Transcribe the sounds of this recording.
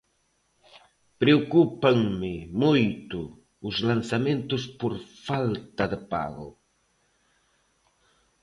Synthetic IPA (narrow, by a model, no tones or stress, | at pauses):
pɾeokupaŋmɪmujt̪ʊː | zlansamẽnt̪ʊspoɾfalt̪ɐðəpa̰ɣʊ̰